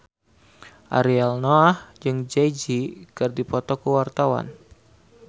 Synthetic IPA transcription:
ʔa̰ɾialnoahd͡ʒɨŋd͡ʒajd͡ʒikɨrdipɔt̪ɔkəwart̪awa̰n

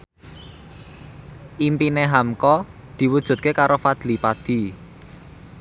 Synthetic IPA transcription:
ʔimpineɦamkɔ | d̪̥i̤wud̥ʒ̥ṳt̪̚kekaɾofad̪̥lipad̪̥i̤

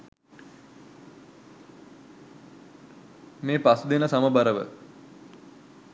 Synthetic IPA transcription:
meːpasud̪enəsaməbaɾəʋə̰

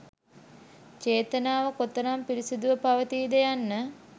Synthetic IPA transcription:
t͡ʃeːt̪ənaːʋəkot̪ːəɾampiɾisid̪uʋəpaʋət̪iːd̪ejanːə

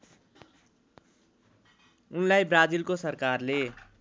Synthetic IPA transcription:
unlaibɾad͡zilkosʌɾkarle

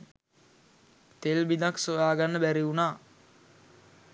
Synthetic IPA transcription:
t̪elbid̪aksojaːɡanːəbæɾiunaː

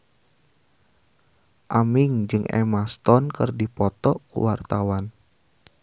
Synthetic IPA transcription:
ʔamiŋd͡ʒɨŋʔɛ̰mast̪ɔnkɨrdipɔt̪ɔkṵwart̪awan

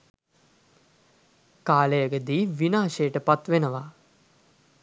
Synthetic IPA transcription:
kaːlejəɡəd̪iːʋinaːʃejːʈəpat̪ʋenəʋa

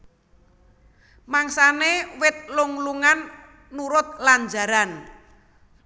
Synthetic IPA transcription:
maŋsanewɪt̪̚luŋluŋanː | uɾʊt̪̚laɲd͡ʒa̤ɾan

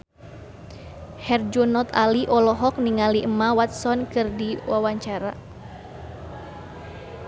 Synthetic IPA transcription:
hɛrd͡ʒɔnɔt̪aliʔɔlɔɦɔk̚niŋaliʔəmawat̪̚sɔnkɨrdiwawaɲt͡ʃaɾa

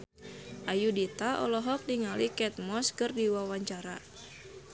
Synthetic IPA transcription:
ʔajudit̪aɔ̰lɔɦɔk̚niŋalikɛt̪̚mɔskɨrdiwawaɲt͡ʃaɾa

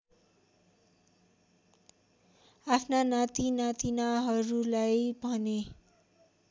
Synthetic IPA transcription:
apʰnanat̪inat̪inaɦʌɾulajbʱʌne

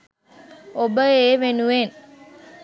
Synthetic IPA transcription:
obəeːʋenuʋen

